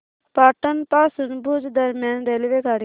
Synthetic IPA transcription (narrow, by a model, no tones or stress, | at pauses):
paːʈənpaːsunbud͡ʒd̪ɐɾmjaːnɾeliʋeɡaːɽ